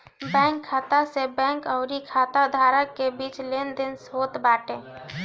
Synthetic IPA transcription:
bɛ̃ːŋkʰːaːt̪asebɛ̃ːŋkɔʊɾikʰaːt̪əd̪ʱaːɾəkːebiːt͡ʃlend̪ɪnsɦoːt̪baːʈẽ

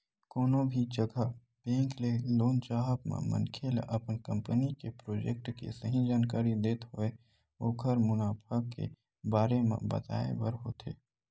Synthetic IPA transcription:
koːnõbʱid͡ʒəɡʱə | bẽːŋkleloːnt͡ʃaːɦəpmḛ̃mə̰nkʰeːlʔɐpnkə̃mpənikepɾoːd͡ʒek̚ʈkḛsəɦĩd͡ʒaːnkaːɾid̪eːt̪ɦoe | oːkʰəɾmʊnaːpʰəkḛ | baːɾemḛ̃bɐ̰t̪a̰ːḛbəɾɦoːt̪ʰḛː

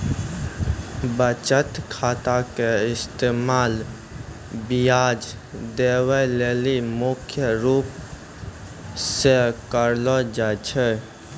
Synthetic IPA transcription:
bət͡ʃət̪kʰaːt̪akeɪst̪emaːl | bijaːd͡ʒ | d̪ewəleːlimʊkʰjəɾuːp | sekəɾlɔd͡ʒat͡ʃʰɛ

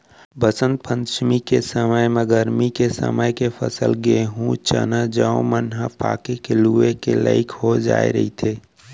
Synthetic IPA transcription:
bəsənt̪̚pʰə̃nʃmikesəməjmɛ̃ɡəɾmikesə̰məjkefʰəsəlɡeeɦũt͡ʃə̰nad͡ʒaõ̰mənɦapa̰ːkekeluekela̰ɪkɦod͡ʒa̰ːḛɾəɦit̪ʰeː

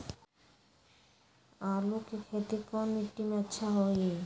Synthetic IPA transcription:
alokekʰet̪ikɔmiʈːimɛtːɕʰaɦoj

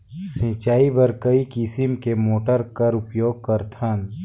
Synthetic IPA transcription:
sĩːt͡ʃaːibɐɾkɐikɪsimkemoːʈəɾkɐɾʊpjoːɡ̚kɐɾt̪ʰãn

